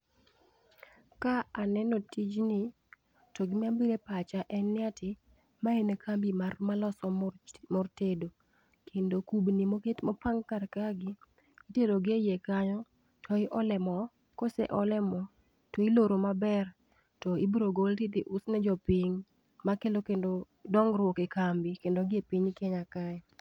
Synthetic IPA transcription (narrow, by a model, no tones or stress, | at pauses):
kaanɛnotid͡ʒnɪ | tɔɡɪmambiɾepat͡ʃaʔɛnːɪatʰɪ | maenekʰambimarmalɔsɔmɔrtedo | kʰendokubnimoketmɔpaŋkaɾkaɡɪː | teloɡejekaɲɔ | tʰɔɪʔɔlɛmɔ | kosɛ̰ʔɔlɛmɔ | tɔiloɾomabɛr | tɔibɾoɡoltitiʔʊsnɛd͡ʒɔpiɲ | makelokendo | dɔŋɾwokekambikendoɡepiɲkeɲakaɛ